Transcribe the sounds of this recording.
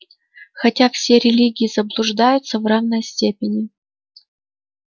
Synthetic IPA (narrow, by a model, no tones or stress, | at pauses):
xɐtʲafsʲeɾʲɪlʲiɡʲɪjɪzəblˠʊʐd̪ajʊt̪səvravnəjsʲtʲepʲɪnʲɪ